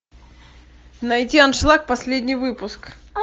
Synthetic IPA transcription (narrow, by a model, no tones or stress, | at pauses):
nɐjtʲianʂlˠak̚pɐsʲlʲedʲnʲɪjvɨpʊsk